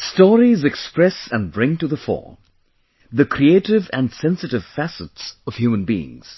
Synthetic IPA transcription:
stɔɹizɨkspɹɛsə̃nbɹɪ̃ŋtuðəfɔ̰ɹm | ðɨkʰɾieɪɾɪvɨ̃nsɛ̃nsɨtɨv̥fæsɨtsʌv̥hjumə̃nbiɪ̰̃ŋz̥

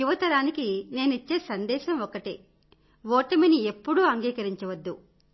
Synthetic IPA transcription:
juʋɐt̪ɐɾaːnikine̞ːnuit͡ʃːe̞ːsɐnd̪ɛːʃɐmɔkɐʈi | ʋɔːʈɐminie̞pːuɽuɐŋɡiːkɐɾiɲt͡ʃɐʋɐd̪ːu

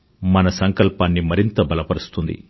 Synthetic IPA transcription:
mɐnɐsɐŋkɐlpaːnːimɐɾint̪ɐbɐlɐpɐɾust̪und̪ḭ

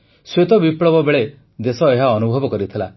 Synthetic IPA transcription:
swet̪ɔbipɭɔbɔbeɭe | d̪esɔeɦaɔnubʱɔbɔkɔɾit̪ʰila

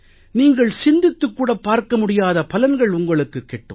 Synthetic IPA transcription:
niːŋɡɐɭsɪnd̪ɪt̪ːɯkːuːɽɐpːaːɾkɐmʊɽɪjaːðɐpɐlɐnɡɐɭʊŋɡɐɭɯkːɯkːɛʈːɯ̰

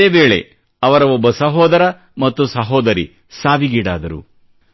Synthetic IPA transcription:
eːʋbe̞ːɭḛ | ɐʋɐɾɐʋobːɐsɐɦɔːd̪ɐɾɐ | mɐt̪ːusɐɦɔːd̪ɐɾḭ | saːʋiɡiːɽa̰ːd̪ɐɾṵ

